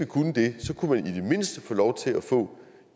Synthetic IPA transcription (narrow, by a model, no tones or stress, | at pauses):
ikʰunəd̥e̝sɒ̽kʰumænid̥e̝me̝n̰sd̥əfɔ̽ːlɒʊt͡sʰe̝læfɔ̰̽ː